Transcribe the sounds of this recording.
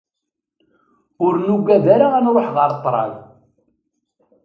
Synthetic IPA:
ʊɾnuɡːæðaɾaænɾˤoħʁəɾˤt̪ˤːɾˤɑ̰l

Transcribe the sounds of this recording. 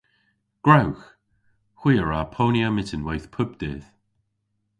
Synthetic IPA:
ɡ̥ɹawx | hw̥iːəɹapʰoːnjəmɪtənwɛjθpʰʊb̚d̪̥ɪ̰ːð̥

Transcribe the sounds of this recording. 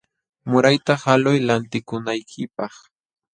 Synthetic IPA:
mʊɾajt̪ahalʊjlant̪ɪkʊnajkʰɪpɑχ

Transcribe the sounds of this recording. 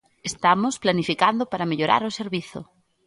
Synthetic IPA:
est̪amʊsplanifikand̪ʊpaɾameʎoɾa̰ɾʊseɾβiθʊ̰

